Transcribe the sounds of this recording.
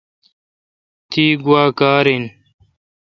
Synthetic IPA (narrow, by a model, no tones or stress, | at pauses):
t̪ʰiːɡwaːkaːɾin